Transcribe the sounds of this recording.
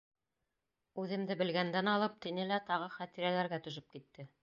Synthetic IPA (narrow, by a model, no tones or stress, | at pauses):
ʉðɘ̆md̪ɘbɘ̆lɡænd̪ænɑlˠɤp̚t̪inɘlæt̪ɑʁɤχæt̪iɾælæɾɡæt̪ɵ̆ʃɵp̚kit̪ːɘ